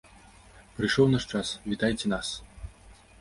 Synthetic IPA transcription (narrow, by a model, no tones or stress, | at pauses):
pɾɨjʂɔwnaʂt͡ʂasvʲit̪ajt͡sʲɛnas